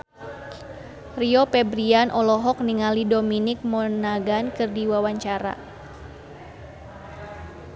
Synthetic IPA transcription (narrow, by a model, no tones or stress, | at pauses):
riɔpɛbɾianʔɔlɔɦɔk̚niŋalidominɪk̚mɔnaɡankɨrdiwawaɲt͡ʃaɾa̰